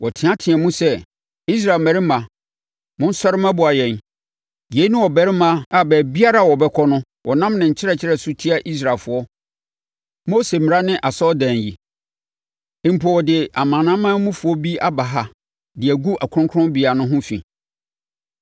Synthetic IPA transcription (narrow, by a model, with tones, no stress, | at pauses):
wɔ˨tʰɪ̃˨˦ã˦tʰɪ˨ɛæ˨mũ˦sɛ˦ | i˦s̬ɾa˨mæ̃˨ɾɪ˦mã˨ | mʊ̃˦n̩˦sɔ˦ɾɪ˦mã˦bʊ˨a˨jɛ̃˨n | je˨˦nʊ̃˦wɔ˨bɛ˨˦ɾɪ˦mã˦a˨bɛː˨bi˦a˦ɾa˦˨wɔ˨bɛ˦kʰɔ˦nʊ̃˦ | wɔ˨nã˦mnɪ̃˨ɲ̩˨t͡ɕʰɪ˦ɾɛ˦˨t͡ɕʰɪ˦ɛ˨sʊ˦tʰi˦a˨ʔi˦s̬ɾa˨lfʊ˨ɔ˦ | mo˦se˨mɪ˨a˦nɪ̃˦ʔa˨sɔ˦dã˨nji˨ | ɪ̃˨m̩˨pʰɔ˨wɔ˨dɪ˨ʔa˨mãː˨nã˦mã˦mũ˦fʊ˨ɔ˦bi˦a˦ba˨ɦa˨ | dɪ˨æ˨ɡu˦ʔa˨kʰɾʊ̃˦kʰʊ˦ɾʊ̃˦bi˨a˨nʊ̃˦ɦʊ̃˦fḭ̃˨